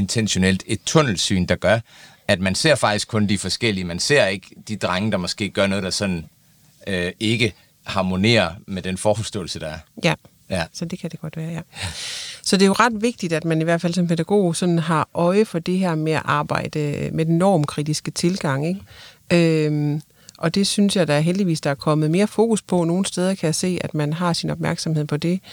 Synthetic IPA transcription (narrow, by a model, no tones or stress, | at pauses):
e̝nt͡sʰenɕo̝nel̰d̥e̝d̥̚t͡sʰɔ̽n̰l̩sy̰ːnd̥ɑ̈ɡ̥ɶɐ | æd̥mænse̝ɐ̰fɑ̈ɡ̥̚isɡ̥kʰɔ̽nd̥ifɒ̽sɡ̥el̰iəmænse̝ɐ̰e̝ɡ̥d̥id̥ʁaŋəd̥ɑ̈mɒ̽sɡ̥e̝̰ːɡ̥ɶɐnɔ̽ːðˠd̥ɑ̈sɒ̽n̰n̩ | øe̝ɡ̥ə | hɑ̈mo̝ne̝̰ːɐmed̥enfɒːfɒsd̥ɔ̰̽ːl̩səd̥ɑ̈æɐjæ | jsɒ̽d̥e̝kʰæd̥e̝ɡ̥ɒ̽d̥ʋæːɐjæ | sɒ̽d̥e̝joʁɑ̈d̥ʋe̝ɡ̥̚d̥id̥æd̥mæniʋæɐd̥fæl̰sɒ̽mpʰed̥æɡ̥o̝̰ːsɒ̽nn̩ɦɑ̈ʔɒ̽ɪəfɒ̽d̥e̝ɦɛɐ̰meæʔɑ̈ːb̥ɑ̈ɪ̰d̥əmed̥enːɒ̰ːmkʰʁid̥isɡ̥ət͡sʰe̝lɡ̥ɑ̈ŋ̰eɡ̥ | øm | ʔɒ̽d̥e̝synsjɑ̈ɪd̥ɑ̈æɐɦeld̥iʋḭːsd̥ɑ̈æɐkʰɒ̽məð̞̩ˠme̝ːɐfo̝ːkʰuspʰɒ̽no̝ːn̩sd̥eːð̞ˠɐkʰæjæse̝̰ːæd̥mænɦɑ̈sinɒ̽b̥mæɐɡ̥sɒ̽mhe̝ð̰ˠpʰɒ̽d̥e̝